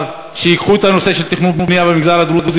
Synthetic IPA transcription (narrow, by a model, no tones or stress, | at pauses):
ʃejikχuet̪anose̞ʃelt̪iχnud̪munijabemiɡzalad̪ulud̪uz